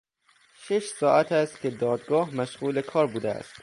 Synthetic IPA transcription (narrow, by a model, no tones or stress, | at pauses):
ʃeʃsɒːʔæt̪ʰæst̪̚cʲʰe̞d̪ɒːd̪ɡɒːɦmæʃɣuːlekʰɒːɾbuːd̪eæ̰st̪